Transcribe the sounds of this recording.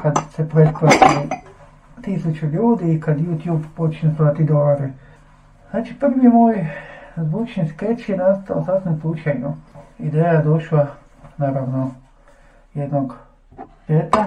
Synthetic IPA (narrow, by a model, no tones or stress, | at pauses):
kad̪sepɾet̪klat̪i | t̪isut͡ʃuʎuːd̪iːkad̪juːt̪juːbpot͡ʃɲesaːt̪id̪olaɾe | znaːt͡ʃiprʋimoːjzʋuːt͡ʃnisket͡ʃjenast̪aosasimsuːt͡ʃeɲuid̪eːjad̪oʃla | naːɾaʋno | jed̪noɡ | let̪a